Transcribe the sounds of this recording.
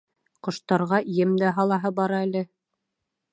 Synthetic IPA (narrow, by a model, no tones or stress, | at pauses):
qŏʃt̪ɑɾʁɑijɘmd̪æɦɑlˠɑɦɤbɑɾɑælɘ